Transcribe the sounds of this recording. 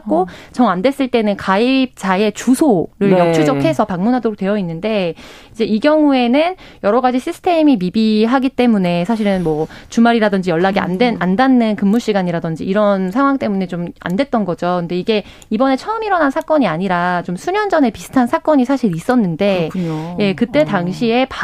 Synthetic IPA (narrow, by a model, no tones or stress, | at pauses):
k͈ot͡ɕʌŋandwe̞s͈ɯɭt͈e̞nɯnkaip̚t͡ɕae̞t͡ɕusʰoɾɯɭjʌt͡ɕt͡ɕʰud͡ʑʌkʰe̞sʰʌpaŋmunɦadoɾok̚t͈we̞jʌinːɯnde̞ | id͡ʑe̞iɡjʌŋue̞nɯnjʌɾʌɡad͡ʑiɕʰisʰɯ̥tʰe̞mimibiɦaɡit͈e̞mune̞sʰaɕʰiɾɯnmwʌt͡ɕumaɾiɾadɯnd͡ʑijʌɭːaɡia̰ndwenandanːɯnkɯmːuɭɕ͈iɡaɲiɾadʌnd͡ʑḭːɾʌnsʰaŋɦwaŋt͈e̞mune̞t͡ɕoma̰ndwe̞t̚t͈ʌnɡʌd͡ʑokɯnde̞iɡe̞ | ibʌne̞t͡ɕʰʌɯmiɾʌnɦansʰak͈ʌɲiaɲiɾat͡ɕomsʰuɲʌnd͡ʑʌne̞pisʰɯ̥tʰansʰak͈ʌɲisʰaɕʰiɾis͈ʌnːɯnde̞ɲoje̞kɯt͈e̞taŋɕʰie̞p